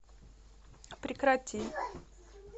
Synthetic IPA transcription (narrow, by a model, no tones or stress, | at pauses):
pɾʲɪkɾatʲi